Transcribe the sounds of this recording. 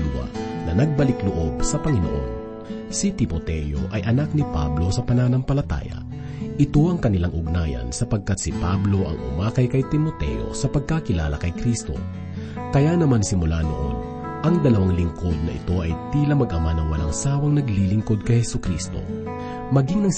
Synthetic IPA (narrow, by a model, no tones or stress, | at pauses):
d̪wa̰nɐnɐɡ̚bɐlɪklʊʔo̞b̚sɐpɐŋɪno̰ʔo̰n | sit̪ɪmot̪ɛjo̰ʔɐjʔɐnak̚nɪpa̰blo̞sɐpɐnaːnɐmpɐlɐt̪a̰ːjɐ̰ | ʔɪt̪o̞ʔɐŋkɐnɪlaŋʔʊɡ̚najɐ̰nsɐpɐɡ̚kat̪̚sɪpablo̞ʔɐ̰ŋʔʊ̰maːkɐjkɐjt̪ɪmot̪ɛ̰jo̞̰sɐpɐɡ̚kakɪla̰ːlɐkɐjkɾist̪o̞̰ | kɐjanɐmansɪmʊlanoʔo̰n | ʔɐŋd̪ɐlɐwaŋlɪŋko̞d̪̚nɐʔɪ̰t̪o̞ʔɐ̰jt̪iːlɐmɐɡʔɐmanɐŋwɐlaŋsaːwɐŋnɐɡlilɪŋko̞d̪̚kɐjhɛsukɾist̪o̞̰ | mɐɡiŋnɐŋ